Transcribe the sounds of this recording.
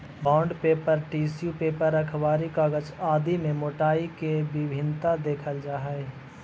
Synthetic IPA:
bãːɳɖpeːpəɾʈiːsjupeːpəɾəkʰʋaːɾikaːɡət͡ʃaːd̪imẽmoːʈaːikebɪbʱɪnt̪ad̪eːkʰəld͡ʒaːɦɛe

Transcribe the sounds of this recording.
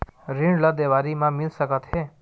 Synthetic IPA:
ɾĩɳləd̪eʋaɾimãmɪlʃəkət̪ɦe

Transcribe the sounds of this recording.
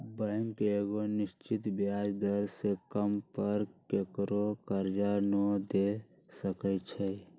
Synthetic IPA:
bəŋkeeɡonist͡ʃit̪bjad͡ʒd̪əɾsekəmpəɾkekɾokəɾd͡ʒanɔd̪e | səkət͡ʃʰɛ

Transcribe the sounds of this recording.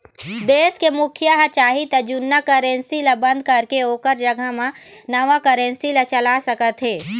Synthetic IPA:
d̪eːskemʊkʰjəɦt͡ʃaːɦit̪ɐd͡ʒʊnːakəɾẽnsilabɐ̃nd̪ʱkɐɾkeoːkəɾd͡ʒɐɡʱəɦmãnɐʋakəɾẽnsilat͡ʃɐlasəkət̪ɦeː

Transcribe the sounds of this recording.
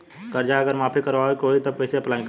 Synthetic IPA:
kəɾd͡ʒaəɡəɾmapʰikəɾʋaɦokoit̪əkəɪseəplaĩk

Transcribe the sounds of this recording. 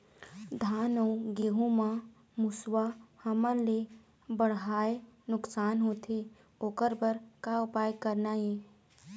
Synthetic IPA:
d̪ʱaːnə̃ũɡeːɦũmã | mʊswahəməɾle | bəɽ̤ɦaːenʊksaːnɦoːt̪ʰe | oːkəɾbəɾkaʊpaːjkəɾnajẽː

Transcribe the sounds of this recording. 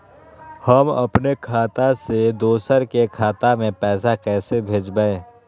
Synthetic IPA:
həmɐ̰pnekʰaːt̪ased̪oːsəɾkekʰaːt̪amẽpɛːsakɛːsebʱeːd͡ʒbəẽː

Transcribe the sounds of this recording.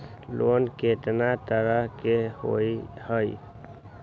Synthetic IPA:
loːnkeʈnat̪əɾəɦkeho̰ihəi

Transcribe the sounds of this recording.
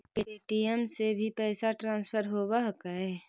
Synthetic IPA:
peeʈiəmsebʱipɛːsaʈɾãːnspʰəɾɦoːbaɦkaɦɛ

